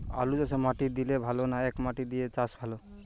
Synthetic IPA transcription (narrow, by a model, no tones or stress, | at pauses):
a̰lud͡ʒasemaʈid̪ilebʱalonaekmaʈid̪ijet͡ʃasbʱalo